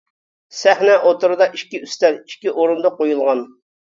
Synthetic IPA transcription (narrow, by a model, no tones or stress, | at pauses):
sæhnɛʔot̪ʊɾɨd̪ɑʔiʃkʲiyst̪ɛɾi̥ʃkʲiʔoɾund̪ɑqojulˠʁɑn